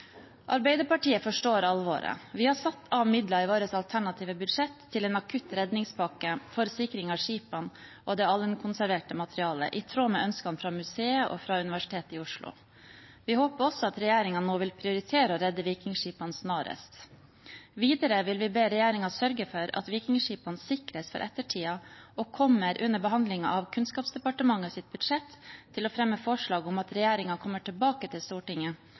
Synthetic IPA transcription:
ʔɑ̰ɾbæɪd̪əɾpɑʈiːəfɔʂʈoːɾɑlːʋo̰ːɾə̰ʋɪhɑsɑt̪ːɑʋmɪd̪lɑɪʋoːɾəsɑlt̪ʰæɳɑt̪ʰiːʋəbʏd̪ʂɛt̪ʰːɪleːnɑkʰʉt̪ːɾɛd̪nɪŋspʰɑkəfɔɾsɪkɾɪŋɑʂiːpɑnʔod̪ɛɑlənkʰʊnsæɾʋeːʈəmɑt̪ʰɾɪɑːlə̰ʔɪt̪ʰɾoːmɛːʔœnskɑnfɾɑmʉseːəʔɔ̰fɾɑʉnɪʋæʂɪ̥t̪ʰeːt̪ɪːʊʂlʊ̰ | ʋɪhoːpəɔsːɔɑt̪ɾɛjeːɾɪŋɑnoːʋɪlpʰɾɪʊɾɪt̪ʰeːɾəɔɾɛd̪ːəʋiːkɪŋʂiːpɑnsnɑːɾə̰st̪ | ʋiːd̪əɾəʋɪlʋɪbeːɾɛjeːɾɪŋɑsœɾɡəfɔɾɑ̰t̪ʋiːkɪŋʂiːpɑnsɪkɾəsfɔ̰ɾʔɛ̰t̪ːəʈʰiːɑɔkʰɔmːəɾʔʉnːəbəɦɑnd̪lɪŋɑ̰ʔɑʋkʰʉnskɑːpsd̪ɛpɑʈəmɑŋːəsɪt̪̚bʉd̪ʂɛt̪ʰːɪlɔfɾɛmːəfɔʂɭɑːɡʊmɑt̪ɾɛjeːɾɪŋɑkʰɔmːəʈɪlbɑːkət̪ʰɪlst̪uːʈɪŋːə

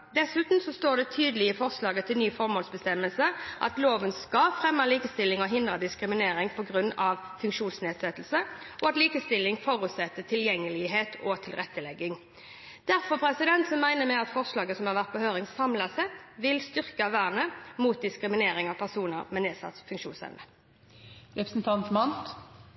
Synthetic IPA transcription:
d̪ɛsʉːt̪n̩sɔst̪oːʁd̪ɛt̪ʰyːd̪əlɪəfɔʁslɑːɡət̪ʰɪlnyːfɔʁmoːlsbəst̪ɛmːəlsəʔɑ̰t̪loːʋənskɑfʁɛmːəliːkəst̪ɪlːɪŋɔɦɪnd̪ʁəd̪ɪskɾɪmɪneːɾɪŋpʰɔɡʁʉnːɑʋfʉŋkʂuːnsneːd̪sɛt̪ːlsə | ʔɔɑt̪liːkəst̪ɪlːɪŋfoːɾʉt̪sɛt̪ːət̪ʰɪljɛŋːəlɪɦeːt̪ʰɔt̪ʰɪlʁɛt̪ːəlɛɡːɪŋ | d̪̥æɾfɔpʰɾɛsɪd̪ɛnt̪sɔmmæɪnəmɛɑt̪fɔʁslɑːɡəsɔmhɑʁʋæʁt̪̚bɔhøːʁɪŋsɑmlɑsɛt̪ʋɪlst̪ʏʁkɑʋæʁnəmuːt̪̚d̪ɪskɾɪmɪneːɾɪŋɑʋpʰæʁsuːnəʁmɛneːdsɑ̰t̪fʉŋkʂṵːnsɛ̰ʋnə | ʋɛpɾəsn̩t̪ʰɑnt̪mɑnt̪

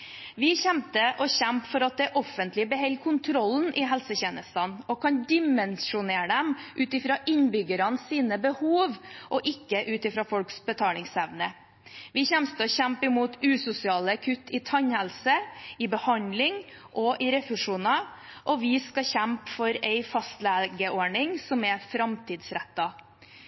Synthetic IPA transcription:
ʋɪçɛmt̪əʔɔçɛmpfɔɾɑt̪̚d̪ɛʔɔfənt̪lɪbəɦɛlːkʰʊnt̪ʰɾɔln̩ʔɪɦɛlsəçeːnəst̪ɑnɔkʰɑnd̪ɪmɛnʂʊneːɾɖ̪ɛmʔʉːt̪ɪfɾɑːʔɪnbʏɡəɾɑnsiːnəbəhuːʋʔɔʔɪkːəʔʉːt̪ɪfɾɑːfɔlksbət̪ʰɑːlɪŋsɛʋnə | ʋɪçɛmst̪əɔçæmpɪmuːt̪ʉːsʊsɪɑːləkʰʉt̪ːɪt̪ʰɑɲhɛlsəɪbəhɑnlɪŋ | ʔɔʔɪɾɛfʉʂuːnɑ | ʔɔʋɪskɑçɛmpfɔɾɛɪfɑst̪læːɡəʔoːɳɪŋsɔmɛfɾɑmt̪ʰiːd̪sɾɛt̪ːɑ

